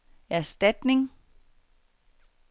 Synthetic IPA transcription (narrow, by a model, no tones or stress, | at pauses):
æɐsd̥æd̥ne̝ŋ